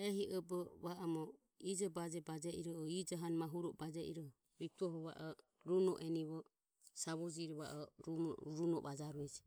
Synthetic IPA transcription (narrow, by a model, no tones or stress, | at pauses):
ɛɦiʔɔbɔβaʔɔmɔ | id͡ʒɔbad͡ʒɛbad͡ʒɛʔiɾɔɔid͡ʒaɦanmaɦuɾɔbad͡ʒɛʔḭɾɔ | ɾit̪ɔɦɔβa̰ʔɔ | ɾunɔ̰ʔɛniβɔ | saβɔd͡ʒiɾɔβaʔɔɾɾunɔβad͡ʒaɾuɛd͡ʒɛ